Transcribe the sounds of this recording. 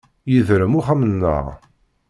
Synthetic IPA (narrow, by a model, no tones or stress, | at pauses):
jiðɾəmuχæmənːə̰ʁ